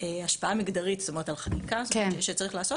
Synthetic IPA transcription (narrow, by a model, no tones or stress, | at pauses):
eaʃpaamiɡdaʁitst̪ome̞et̪alχanikasʃet͡saʁiχlaːso̞